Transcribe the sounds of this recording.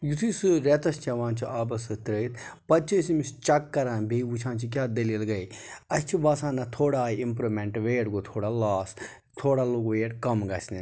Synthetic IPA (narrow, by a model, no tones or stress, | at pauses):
jut̪ʰusɨɾet̪ɐst͡ʃʰɐʋãːnt͡ʃʰiaːbɐsɨt̪ɾəit̪pɐt͡ʃʰisimist͡ʃɐkːɐɾãːnbʱeut͡ʃʰãːnt͡ʃʰik̬ʲaːd̪ɐlielɡɐjɐst͡ʃʰibɐsãːnɐt̪ʰoːɽaːimpɾomeɳʈʋeːɽɡot̪ʰoːɽaːlaːs | t̪ʰoːɽaːloɡʋeːʈkɐmɡɐsʲni